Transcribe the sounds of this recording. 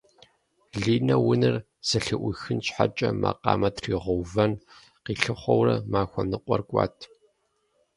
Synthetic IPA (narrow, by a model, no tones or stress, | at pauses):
ɮiːnɐwʊnɨr | z̥ɨɬɨʔʷʊxɨnɕħat͡ʃʼɐma̰ːqɑ̰ːmɐtʰriːʁʊwvɐn | qiːɬɨχʷɔwrɐmaːxʷɔnɨqʷʼɔrkʷʼɑ̰ːtʰ